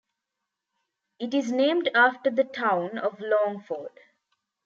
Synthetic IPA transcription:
ɪʈɪznẽːmɖaːfʈəɾd̪əʈʰãʊ̃nɔʋlɔ̃ːŋfəːɾɖ̥

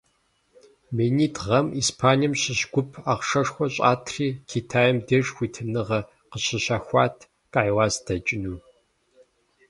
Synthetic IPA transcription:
meːniːtʁɐmiːspʰaːniɛmɕɪɕɡʷʊpʰaːqʂɐʂxʷɔɕʼa̰ːtʰriːkʰitʰaːjɛmdeːʂxʷiːtʰɨnɨʁɐ | qəɕɪɕaːxʷɑːtʰ | kʼajwɑːsd̥ɐt͡ʃʼɪnuː

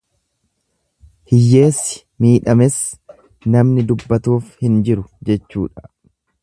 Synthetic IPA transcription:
hɪjːe̞ːsːɪ̥ | miːᶑɐmɛs | nɐmnɪd̪ʊbːɐt̪uːfhɪnd͡ʒɪɾʊd͡ʒɛt͡ʃːṵːᶑɐ̥

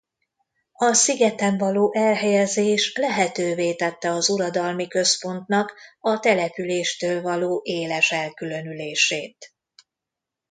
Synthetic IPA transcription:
ɒsiɡɛt̪ɛɱvɒloːʔɛlɦɛjɛzeːʃlɛɦɛt̪øːveːt̪ɛt̪ːɛɒzuɾɒd̪ɒlmikø̞spo̞nt̪nɒkɒt̪ɛlɛpyleːʃt̪øːlvɒloːʔeːlɛʃɛlkylø̞nyleːʃeːt̪

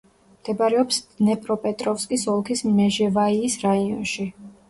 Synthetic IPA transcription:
md̪̥ɛbaɾɛɔpsnɛpʼɾɔpʼɛt̪ʼɾɔfskʼisɔlˠkʰismɛʒɛvaiːsɾaiɔnʃi

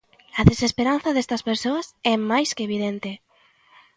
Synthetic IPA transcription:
ɐðesespeɾanθɐðest̪ɐspeɾsoɐsɛmajskeβiðent̪e

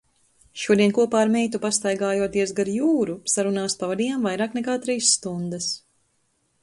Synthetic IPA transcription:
ʃuɔd̪iɛnkuɔpaːɾmɛjt̪upast̪ajɡaːjuɔt̪iɛsɡaɾjuːɾusaɾunaːspavad̪iːjaːmvajɾaːknɛkaːt̪ɾiːsːt̪und̪ɛs

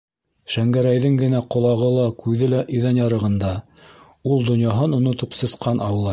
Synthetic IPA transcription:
ʃæŋɡæɾæjðɘŋɡɘ̆næqŏlˠɑʁɤlˠɑkʉðɘlæʔĭðænjɑɾɤ̆ʁɤ̆nd̪ɑ | ulˠd̪ŏnjɑɦɤnŏnŏt̪ɤpsɤ̆sqɑnʔɑwɤ̆lˠɑ

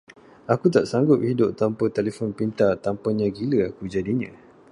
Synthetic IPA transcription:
akut̪aʔsaŋɡʊp̚hidʊʔ̚t̪ampət̪ɛlefɔnpint̪at̪ampəɲãɡiləakud͡ʒadiɲã

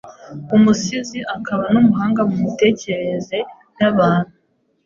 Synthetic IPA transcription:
umusiziʔakʰaβanumuɦaːŋɡamumite̞ːce̞ɾe̞ze̞ | naβaːn̥hu

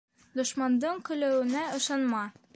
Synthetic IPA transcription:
d̪ŏʃmɑnd̪ɤɴkɵ̆læwɘ̆næŏʃɑnmɑ

